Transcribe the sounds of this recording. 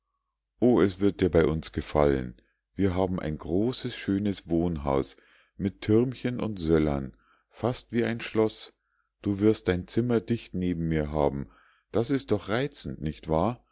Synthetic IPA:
ʔoːɛsv̥ɪɐt̚d̥iːɐbaɪʔʊnsɡ̥əfa̰lə̰n | viːɐɦaːbm̩ʔa̰ɪnɡʁoːsəsʃøːnəsv̥oːnɦa̰ʊs | mɪtʰːʏɐmçənʔʊ̰ntz̥ɛlɐ̰n | fastv̥iːaɪnʃlɔs | d̥uːvɪɐst̚d̥aɪnt͡sɪmɐdɪçtneːbm̩miːɐɦaːbm̩ | d̥asɪst̚d̥ɔχʁaɪt͡sn̩tnɪçtv̥aːɐ

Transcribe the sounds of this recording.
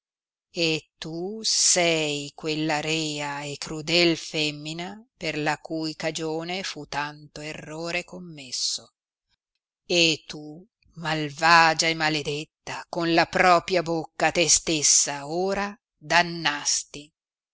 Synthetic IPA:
et̪ːusɛjkwelːaɾɛːaekɾud̪ɛlfɛmːinaperlakujkad͡ʒoːnefut̪ant̪oerːoːɾekomːesːo | et̪ːu | malvaːd͡ʒaemːaled̪et̪ːakonlapɾɔːpɾjabokːat̪est̪esːaoːɾa | d̪anːast̪i

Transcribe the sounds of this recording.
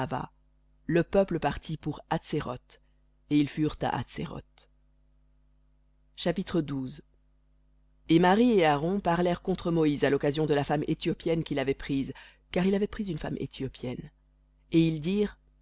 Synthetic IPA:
va̰ | ləpœpləpaʁt̪ʰipuʁat̪seʁɔt̪ | eilfyʁt̪a̰ʔa̰t̪sḛʁɔ̰t̪ | ʃapit̪χəd̪uz | emaʁieaʁɔ̃paʁlɛʁkɔ̃t̪χəmɔizalɔkazjɔ̃d̪əlafamet̪jɔpjɛnkʲilavɛpχiz | kaʁilavɛpχizynfa̰mʔḛt̪ʰjɔpʰjɛn | eild̪iːʁ

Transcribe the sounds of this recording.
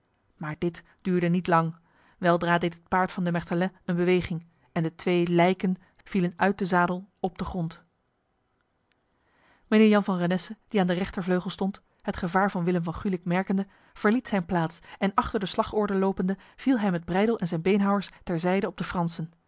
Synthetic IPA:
maːɹdɪt | d̥yːɹdənitlɑŋ | ʋɛlˠdraːdejtɦət̚paːɹtfɑndəmɛχdəlɛənbəʋejχɪŋ | ɛndətʋejlɛjkən | v̥ilənœɥt̚dəzaːdəl̩ˠɔb̚dəχrɔnt | mənɪːɹjɑnvɑnranɛsəd̥iaːndərɛχtəɹvløɥχəlˠstɔnt | hətχəvaːɹvɑnʋɪləmvɑnχylɪkmɛɹkəndə | v̥əɹlitsɛjnplaːtsɛnɑχtəɹdəslɑχɔɹdəlowpəndəv̥ilˠɦɛjmɛd̚brɛjdəlˠʔɛnzɛjnbejnɦɑwəɹstɛɹzɛjdəɔb̚dəfrɑnsən

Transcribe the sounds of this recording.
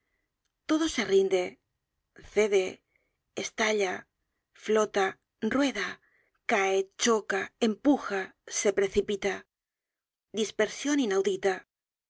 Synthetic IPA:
t̪o̞ð̞o̞se̞rind̪e̞ | θe̞ðe̞ | est̪aʎa | flot̪a | rrwe̞ða | kaet͡ʃokaempuxase̞pɾe̞θipit̪a | d̪ispeɾsjo̞ninawðit̪a

